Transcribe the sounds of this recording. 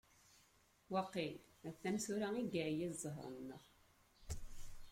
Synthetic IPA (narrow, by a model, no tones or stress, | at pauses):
wɑqːilæθːæmsuɾæiɡæjizˤəɦɾˤə̰nːə̰ʁ